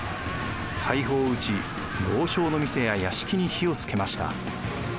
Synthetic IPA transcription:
hʰaiɦo̞ːɯ̟t͡ɕi | bo̞ːɕo̞ːnomʲise̞jajaɕi̥kʲiɲ̟içio̞t͡sɨ̥ke̞maɕi̥t̪a̰

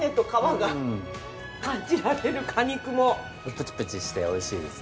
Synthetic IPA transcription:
et̪okaβaɡa | kãɲd͡ʑiɾaɾe̞ɾɯ̟kʰaɲ̟ikɯ̟mo̞ | opɯ̟t͡ɕi̥pɯ̟t͡ɕiɕi̥t̪eoiɕiːd̪es

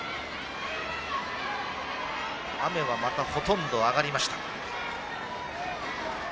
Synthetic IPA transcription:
ame̞βamat̪aho̞t̪õ̞nd̪o̞aɡaɾʲimaɕi̥t̪ḁ

